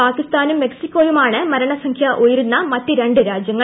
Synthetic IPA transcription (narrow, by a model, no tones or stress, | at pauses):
aːkːist̪aːnumːe̞ksikːo̞ːjumaːɳɨmɐɾɐɳɐsɐŋkʰjɐʔojiɾunːɐmɐtːiɾe̞ɳɖɨɾaːd͡ʑjɐŋːɐ